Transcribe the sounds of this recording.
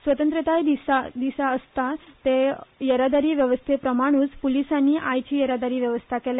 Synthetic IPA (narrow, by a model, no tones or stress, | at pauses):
sʋət̪ənt̪ɾət̪ajd̪isad̪isaəst̪at̪ejəɾad̪aɾiːʋjəʋəst̪ʰepɾəmaɽ̃uːt͡spulisanːiːʔajt͡ɕiːjəɾad̪aɾiːʋjəʋəst̪ʰakela